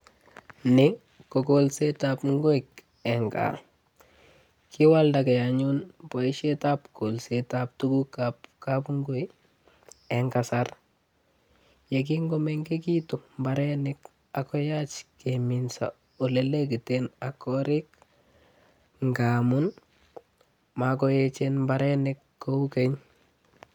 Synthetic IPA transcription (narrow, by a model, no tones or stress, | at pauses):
nɪ | kːokolsetapŋɡoik | ɛŋka̰ | kiwaldakejaɲunpɔiʃetapkolsetap̚tuɡukapkapŋɡoi | ɛŋkasar | jek̬iŋɡɔmeŋkekitumbaɾenik | akɔjat͡ʃkeminsa̰ | oleleɡitenakɔɾik̚ | ŋɡaːmun | makɔjet͡ʃenmbaɾenekːoukeɲ